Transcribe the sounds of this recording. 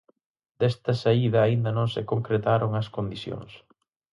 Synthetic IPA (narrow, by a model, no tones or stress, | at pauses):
d̪̥ɛst̪ɐsaiðɐːind̪ɐnõŋsɪkoŋkɾet̪aɾoŋɐskond̪iθjõ̰ŋs